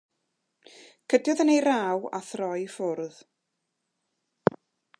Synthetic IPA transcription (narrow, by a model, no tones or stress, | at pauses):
kʰədjɔðənejɾaːwaθrɔjfʊrð